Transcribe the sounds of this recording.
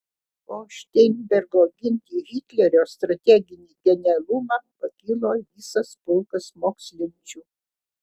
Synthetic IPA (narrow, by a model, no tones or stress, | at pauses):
oːʃʲt̪ʲɛnʲbʲɛɾɡoːɡʲɪnʲt̪ʲiːɦʲɪt̪ʲlʲɛɾʲoːst̪ɾɐt̪ʲɛɡʲɪnʲiːɡʲɛnʲɛɐlˠʊmɑpɐkʲɪlˠoːʋʲiːsɐspʊlˠkɐsmoːksʲlʲɪnʲt͡ʃʲuː